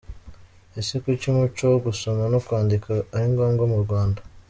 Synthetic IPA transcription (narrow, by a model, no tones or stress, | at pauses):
esikwicimut͡ʃoɡusomanokwaːndikaːɾiŋɡoːŋɡomuɾɡwaːnda